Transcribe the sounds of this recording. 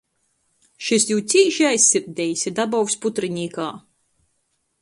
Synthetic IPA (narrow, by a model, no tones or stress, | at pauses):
ʃisjuːt̪sʲiːʃiajsʲːiɾd̪ʲɛjsʲid̪abɔwsput̪ɾinʲiːkaː